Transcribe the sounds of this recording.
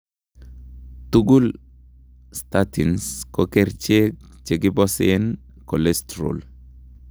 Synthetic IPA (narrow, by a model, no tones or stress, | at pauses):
tuɡul | statinskokeɾt͡ʃekt͡ʃeɡibɔsen | kɔlestɾo̰l